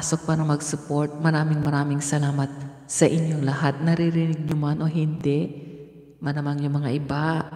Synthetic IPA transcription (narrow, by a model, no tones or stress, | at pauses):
sok̚paːɾɐmɐɡsʊpo̞ɹt̪̚mɐɾaːmɪŋmɐɾaːmɪŋsɐlaːmɐt̪̚ | sɐʔɪɲjoŋlɐhat̪̚nɐɾɪɾɪnɪɡ̚ɲʊmanʔo̞ɦɪnd̪ɛ | mɐnɐmanjʊŋmɐŋaʔɪba